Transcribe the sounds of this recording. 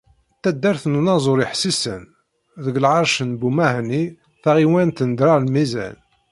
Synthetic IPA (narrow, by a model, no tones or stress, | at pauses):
t̪ːæd̪ːæɾθnunɑzˤoɾiħsisə̰n | ðəɡlʕɑɾˤʃənbumæhni | θaʁiwænt̪ənd̪ɾaɾlmizæ̰n